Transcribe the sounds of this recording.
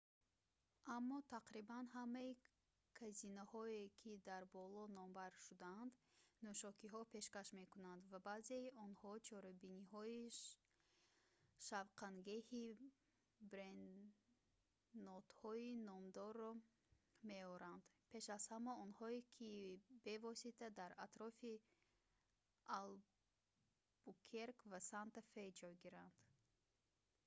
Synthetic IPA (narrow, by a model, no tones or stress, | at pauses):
ʔamːɔt̪ʰaqɾibanɦamːai | kʰæzinahɔekʰid̪aɾbɔlɔnɔmbaɾʃud̪aand̪nuʃɔkiɦɔpʰe̞ʃkaʃme̞kunand̪vabazeiʔɔnhɔt͡ʃʰɔɾabiniɦɔi | ʃavqʰaŋɡehi | bɾen | ɔt̪hɔinɔmd̪ɔrːɔ | me̞ɔɾand̪ | pʰe̞ʃazhamːaɔnhɔekʰibe̞vɔsit̪ʰad̪aɾat̪ɾɔfi | al | b̥ukʰeɾkvasant̪afejd͡ʒɔjɡiɾand̪̥